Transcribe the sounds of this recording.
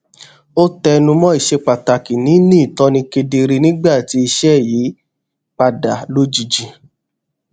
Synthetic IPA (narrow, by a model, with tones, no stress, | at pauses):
o˦tɛ˧nũ˧mɔ̃˦i˦˨ʃe˧k͡pa˨ta˨ki˨nĩ˨˦nĩ˦˨tɔ̃˧˦nĩ˧ke˧de˧ɾe˧nĩ˦ɡ͡ba˦˨ti˧˦i˧ʃɛ˦˨ji˨˦ | k͡pa˧da˨lo˦d͡ʒi˨˧d͡ʒi˧